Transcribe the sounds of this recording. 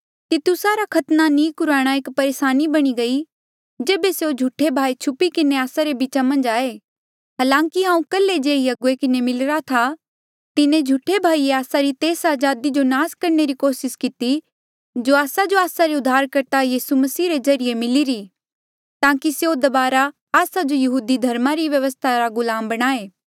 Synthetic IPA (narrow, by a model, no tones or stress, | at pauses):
t̪it̪ʊsaɾakʰɐt̪nanĩːkʊɾaːɽ̃aeːkpɐɾeːʃaːnibɐɽ̃iɡɐi | d͡ʒeːbeseod͡ʒʱʊʈʰːebʱaːit͡ʃʰʊpikɪneaːsaɾebɪt͡ʃamɐ̃nd͡ʒaːe | ɦaːlãːkiɦãːũkɐlːed͡ʒeːiɐɡuekɪnemɪlɾat̪ʰa | t̪ɪnẽd͡ʒʱuʈʰːebʱaːieaːsaɾit̪eːsaːd͡ʒaːd̪id͡ʒonaːskɐɾneɾikoːsɪskɪt̪i | d͡ʒoːaːsad͡ʒoaːsaɾeʊd̪ʱːaːɾkɐɾt̪ajiːsumɐsiːɾezɐɾijemɪliɾi | t̪ãːkiseod̪ɐbaːɾa | aːsad͡ʒojɐɦuːd̪id̪ʱɐɾmaɾiʋjɐʋəst̪ʰaɾaɡʊlaːmbɐɽ̃aːeː